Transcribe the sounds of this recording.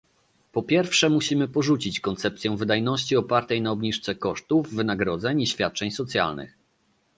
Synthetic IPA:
pɔpʲjɛɾfʂɛmuɕimɘpɔʐut͡ɕit͡ɕkɔnt̪sɛpt̪sʲjɛ̃w̃vɘd̪ajnɔɕt͡ɕiɔpaɾt̪ɛjnaɔbɲiʂt̪sɛkɔʂt̪uvːɘnaɡɾɔd̪zɛɲiɕfʲjat̪̚t͡ʂɛɲsɔt̪sʲja̰lnɘ̰x

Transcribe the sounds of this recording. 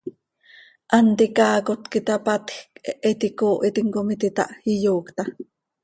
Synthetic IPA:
ʔant̪ikaːkot̪kit̪ɑpat̪xkɛʔɛt̪ikoːʔit̪iŋkomit̪it̪ɑ̰ʔijoːkt̪ɑ

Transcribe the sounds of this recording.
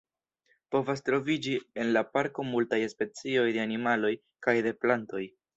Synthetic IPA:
po̞vas̬tɾo̞vid͡ʒie̞nlapaɾko̞multajespe̞t͡sio̞jde̞animalo̞j | kajde̞planto̞j

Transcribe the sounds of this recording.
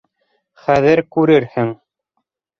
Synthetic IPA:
χæðɘɾkʉɾɘɾhɘŋ

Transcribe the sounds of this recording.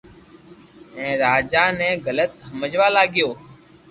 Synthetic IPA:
ɛ̃ːɾaːd͡ʒaːnɛ̃ːɡələt̪ɦəməd͡ʒʋaːlaːɡɪjoː

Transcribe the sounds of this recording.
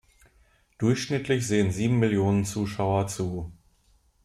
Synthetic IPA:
d̥ʊɐçʃnɪtʰlɪçz̥eːənziːbm̩mɪljoːnənt͡suːʃaʊɐt͡suː

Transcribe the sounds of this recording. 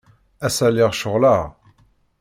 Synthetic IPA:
æsæliʁʃʊʁlaʁ

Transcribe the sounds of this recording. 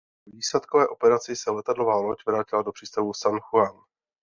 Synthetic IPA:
viːslɛt̪kovɛːʔo̞pɛɾat͡sɪsɛlɛt̪adlo̞vaːno̞cvɾaːcɪlado̞pr̥iːst̪avusanxuan

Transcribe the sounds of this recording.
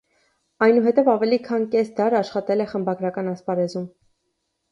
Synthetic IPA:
ɑjnuɦɛt̪ɛvɑvɛlikʰɑnkɛsd̪ɑɾɑʃχɑt̪ɛlɛχəmbɑɡɾɑkɑnɑspɑɾɛzum

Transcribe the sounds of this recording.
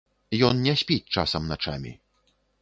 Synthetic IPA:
jɔnnʲɛsʲpʲit͡sʲt͡ʂa̰sɐmnat͡ʂa̰mʲḭ

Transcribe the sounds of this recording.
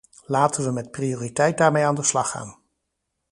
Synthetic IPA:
laːtənʋəmɛt̚prioːritɛjt̚daːɹmejaːndəslɑχa̰ːn

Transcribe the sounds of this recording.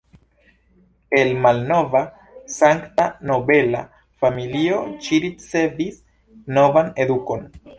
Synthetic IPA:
e̞lmalno̞va | saŋktano̞be̞la̰ | familio̞t͡ʃiɾit͡se̞vis | no̞vane̞duko̞n

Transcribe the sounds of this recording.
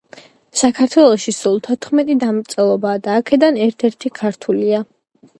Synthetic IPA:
sakʰaɾt̪ʰwɛlˠɔʃisulˠt̪ʰɔt̪χmɛt̪ʼid̪amɾt̪sʼɛlˠɔbaːd̪aːkʰɛd̪anɛɾt̪ʰɛɾt̪ʰikʰaɾt̪ʰulia

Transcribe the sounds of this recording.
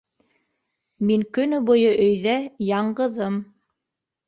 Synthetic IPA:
miŋkɵ̆nɵbujɤʔɵ̆jðæjɑɴɢɤ̆ðɤm

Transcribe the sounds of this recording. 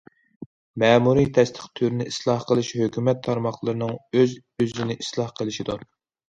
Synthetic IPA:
mɛːmuɾit̪ʰɛst̪ʰə̥χt̪ʰyɾnɪislˠɑhqəlˠɨʃhøkʲymɛt̪ʰːɑɾmɑχlˠəɾɨnɨŋøz | yzɪnɪʔislˠɑhqʰəlˠɪʃid̪uɾ

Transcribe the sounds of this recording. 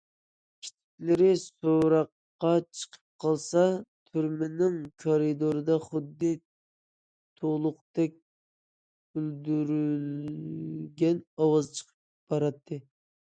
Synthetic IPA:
kʲʰi̥t͡ʃ̪ʰi̥kʲlɪɾɪsoɾɑqːɑt͡ʃʰə̥qʰə̥p̚qʰɑlˠsɑt̪ʰyɾmɪnɪŋkʰoɾid̪oɾɨd̪ɑχʊd̪ːɨ | t̪ʰolˠʊqt̪ɛk̚ʲ | yld̪yɾyl | ɡʲɛnɑwɑzt͡ʃʰə̥qʰəp̚ | b̥ɑɾɑt̪ʰːɨ

